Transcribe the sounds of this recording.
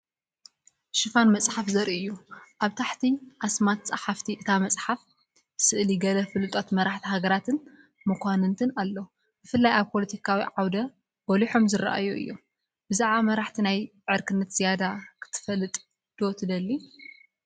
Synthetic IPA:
ʃɨfanmɐsʼħafzɐɾiʔɨjːuʔaβt̪ʰaħt̪ʰiʔasmat̪t͡sʼɐħaft̪ʰiʔɨt̪ʰamɐt͡sʼħaf | sɨʔliɡɐlɐfɨlɨt̪ʼot̪mɐɾaħt̪ʰiɦaɡɐɾat̪ʰɨn | mɨkʰʷanɨnt̪ʰɨnalːo | b̥ɨfɨlːajaβpʰo̞lɐt̪ʰikʰawiʕawd̪ɐ | bɔliħo̞mzɨɾa̰ʔa̰joɨ̰jːṵ | b̥ɨzaʕβamɐɾaħt̪ʰinajʕɨɾkʰɨnːɐt̪z̥ijad̪akʰɨ̥t̪ʰɨ̥fɐlːɨt̪ʼ | d̪̥ot̪ʰɨd̪ɐlːi

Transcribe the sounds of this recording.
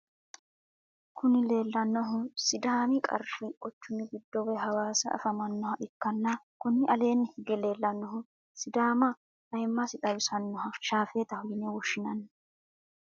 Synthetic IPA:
kʊnɪle̞ːlːɐnːɔɦʊsɪd̪aːmɪkʼɐ̰ɾfɪʔɔt͡ʃːʊnɪɡɪd̪ːɔwɛɦɐwaːsɐ̰ɐ̰fɐmɐnːɔhɐʔɪkːɐnːɐkʊnɪʔɐle̞ːnːhɪɡɛle̞ːlːɐnːɔɦʊ | sɪd̪aːmɐ | hɐjɪmːɐsɪt̪ʼɐjʊsɐnːɔɦɐʃaːfeːt̪ɐhʊjɪnɛwɔʃːɪnɐnːɐ

